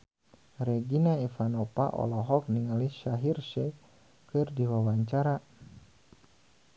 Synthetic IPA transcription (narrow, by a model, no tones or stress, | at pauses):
rɛɡinaifanɔpa̰ʔɔ̰lɔɦɔk̚niŋaliʃaɦirʃɛ | kɨrdiwawaɲt͡ʃaɾa